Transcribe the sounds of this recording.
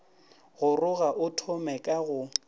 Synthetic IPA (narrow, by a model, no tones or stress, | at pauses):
ɣʊrʊɣaʔʊtʰɔmɛkʼaɣʊ